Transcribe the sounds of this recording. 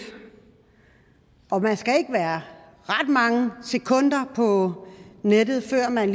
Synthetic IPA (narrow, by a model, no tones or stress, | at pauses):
ʔɒ̽mænsɡ̥æe̝ɡ̥əʋæːɐ | ʁɑd̥mɑ̈ŋəse̝kʰɔ̽n̰d̥ɐpʰɒ̽ned̥ð̞̩ˠfɶɐ̰mænl